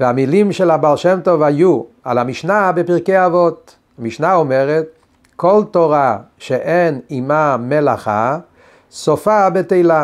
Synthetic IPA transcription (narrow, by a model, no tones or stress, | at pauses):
veamilimʃelhabalʃemt̪ovhajua̰lhamiʃnabepiʁkeavot̪ | hamiʃnaomeʁet̪̚ | kʰolt̪oʁaʃeʔenimamelaχa̰ | sofabet̪ejla